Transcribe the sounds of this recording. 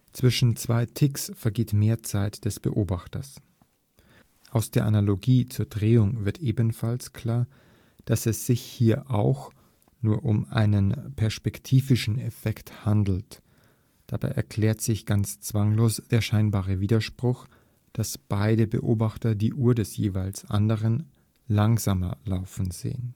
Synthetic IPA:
t͡sv̥ɪʃn̩t͡sv̥aɪtʰɪksfɛɐɡeːtmeːɐt͡saɪtd̥ɛsb̥ə̰ʔoːbaxtɐs | ʔaʊsd̥eːɐʔanaloɡiːt͡suːɐdʁeːʊŋvɪɐtʔeːbən̩falskʰl̥aːɐ | d̥asɛsz̥ɪçhiːɐʔaʊx | nuːɐʔʊmʔa̰ɪnənpʰɛɐʃpɛktʰiːvɪʃn̩ɛfɛkthandl̩t | d̥aba̰ɪʔɛ̰ɐkʰl̥ɛːɐtz̥ɪçɡ̥ant͡st͡sv̥aŋloːsd̥eːɐʃaɪnbaːʁəviːdɐʃpʁ̥ʊx | d̥asb̥aɪdəbə̰ʔoːbaχtɐdiːʔuːɐdɛsjeːvaɪlsʔa̰ndəʁən | laŋzaːmɐ̰laʊfn̩zḛːən

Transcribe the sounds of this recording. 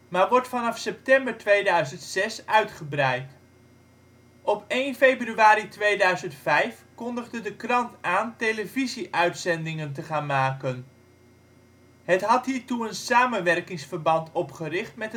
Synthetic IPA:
maːɹʋɔɹtfɑnɑfsɛp̚tɛmbəɹtʋejdœɥzəntsɛsœɥtχəbrɛjt | ʔɔpejnfejbryaːɾitʋejdœɥzəntfɛjfkɔndəχdədəkrɑntaːntejləviziʔœɥtsɛndɪŋəntəχaːnmaːkən | hətɦɑtɦiːɹtuənsaːmənʋɛrkɪŋsfəɹbɑntʰɔpχərɪχtmɛt

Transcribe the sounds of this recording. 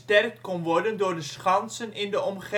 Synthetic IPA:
tɛrk̚tkɔnʋɔɹdəndʊːɹdəsχɑnsənɪndəʔɔmχe

